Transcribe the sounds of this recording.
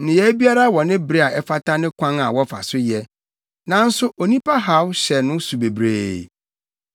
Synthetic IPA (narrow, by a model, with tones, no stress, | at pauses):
nɪ̃˨jɛ˦bi˦a˦ɾa˦wɔ˨nɪ̃˦bɾe˦a˨ɛ˦fa˦tʰa˦nɪ̃˦kʷʰã˦ŋa˨wɔ˦fa̰˨sʊ˦jɛ˦ | nã˨n̩˦sʊ˦ʔo˨nĩ˦pʰa˦ɦa˦wɕɛ˨nʊ̃˦su˨be˨bɾḛː˦˨